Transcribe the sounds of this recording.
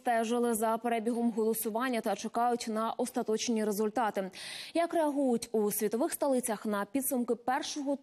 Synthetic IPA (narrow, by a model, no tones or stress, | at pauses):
t̪ɛʒɪlˠɪzɐpeɾɛbʲiɦɔmɦɔlˠɔsʊʋɑnʲːɐt̪ɐt͡ʃekɑjʊtʲnɐʔɔst̪ɐt̪ɔt͡ʃnʲiɾezʊlʲt̪ɑt̪ɪjɐkreɐɦujʊtʲusʲʋʲit̪ɔʋɪxst̪ɐlˠɪt͡sʲɐxnɐpʲid̪sʊmkɪpɛrʃɔɦɔ